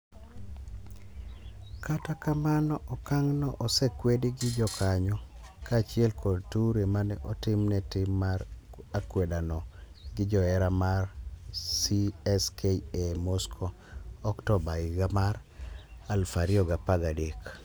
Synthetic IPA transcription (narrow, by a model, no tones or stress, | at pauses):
katakamanɔʔɔkaŋnɔʔɔsɛkwediɡɪd͡ʒɔkʰaɲɔ | kat͡ʃɪɛlkʰɔdtuɾemanɛʔɔtɪmnɛtɪmːarakwɛdanɔ | ɡɪd͡ʒɔɛɾamarsiɛskʰeiemɔskʰo | ɔktɔbaɪɡamar | alfaɾiɔɡapaɡadek